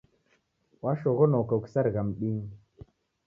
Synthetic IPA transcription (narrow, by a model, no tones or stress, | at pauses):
waʃoɣonokəksaɾɣamɗiɲ